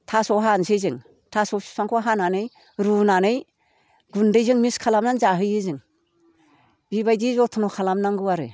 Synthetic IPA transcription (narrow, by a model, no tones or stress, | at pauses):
tʰasɔɦansezɯŋ | tʰasɔsi̥saŋkʰɔɦananɯj | ɾunanɯj | ɡundɯjzɯŋmiskʰalamnanzaɦɯjɯzɯŋ | bibajdizɔtʰɔnɔkʰalamnaŋɡɯwaɾɯ̰